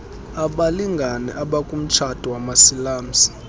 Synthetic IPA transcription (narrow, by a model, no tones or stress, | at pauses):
aɓaliŋɡʱanɛ̰ʔaɓakʼum̩t͡ʃʰatʼiwamasilaːm̩si̥